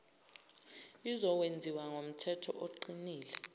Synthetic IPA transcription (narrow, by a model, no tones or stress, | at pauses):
izɔwend͡zʱiwaŋom̩tʰɛtʰɔ̰ʔoǃiniːlɛ